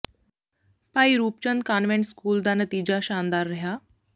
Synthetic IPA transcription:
paiɾuːpt͡ɕənd̪̚kanʋẽɳʈskuːld̪anət̪id͡ʑaɕand̪aɾːɦja

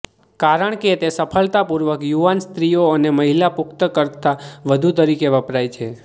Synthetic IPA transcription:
kaɾəɳ̃ket̪esəpʰəlt̪apuɾʋəkjuʋanst̪ɾijoəneməɦilapʊkt̪əkəɾt̪aʋəd̪ʱut̪əɾikeʋəpɾajt͡ʃʰe

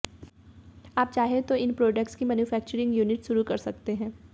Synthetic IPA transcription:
aːp̚t͡ʃaːɦet̪oɪnpɾoːɖək̚ʈskimɛːnufɛːk̚t͡ʃəɾɪ̃ŋɡjuːnɪʈʃʊɾukɐɾsɐk̚t̪eɦɛ̃ː

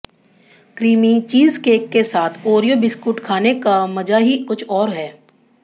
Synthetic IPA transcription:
kɾiːmit͡ʃiːzkeːkːesaːt̪ʰoːɾijobɪskʊʈkʰaːnekamɐd͡ʒaɦikʊt͡ʃʰɔːɾɦɛː

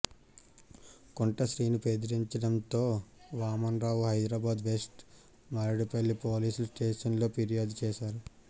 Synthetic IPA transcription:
koɳʈɐʃɾiːnipeːd̪iɾiɲt͡ʃɐɽɐnt̪o̞ːʋaːmɐnɾaːwuɦɐjd̪ɾaːbaːd̪ʋe̞sʈ | mɐɾɐɽipɐlːipo̞ːliːsulusʈeːʂɐnlo̞ːpiɾijaːd̪ut͡ʃɛːʃaːɾu

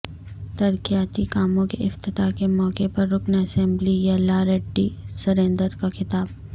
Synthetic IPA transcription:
t̪ɐɾkijaːt̪ikaːmõkeʔɪft̪ɪt̪akemɔːkepɐɾːʊknɐsɛ̃mblijɐlaːɾeɖːisɐɾẽːnd̪əɾkaxɪt̪aːb

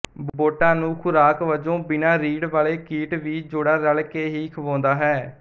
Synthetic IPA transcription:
bboːʈãːnũːkʰʊɾaːkʋəd͡ʒõːbɪnaːɾiːɽʋaːleːkiːʈʋiːd͡ʒoːɽaːɾəlkeːɦiːkʰʋõːnd̪aːɦɛː

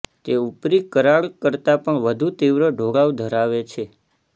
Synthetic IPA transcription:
t̪eupɾikəɾaɭkəɾt̪apəɳʋəd̪ʱut̪iʋɾəɖʱoɽaʋd̪ʱəɾaʋet͡ʃʰe

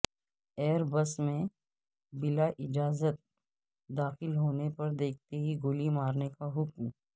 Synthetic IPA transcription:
eːɾbɐsmẽ | bɪlaʔɪd͡ʒaːzət̪̚ | d̪aːxɪlɦoːnepɐɾd̪eːk̚ʰt̪eɦiɡoːlimaːɾnekaɦʊkm

